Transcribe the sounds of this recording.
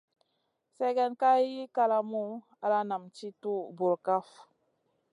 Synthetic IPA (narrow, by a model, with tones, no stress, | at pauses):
sɛ˦ɡɛ˦nka˦ji˦ka˦la˦mu˦ | a˨la˦na˨mt͡ʃi˦tu˦bu˨ɾka˦f